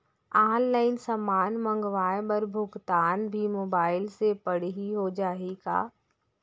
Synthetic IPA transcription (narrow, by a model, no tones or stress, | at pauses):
aːnlaːɪnsɐmaːnmə̃ŋɡʋaːjbɐɾbʱʊɡt̪aːnbʱimoːbaːɪlsepɐɽ̤ɦiɦod͡ʒaːɦiɡa̰ː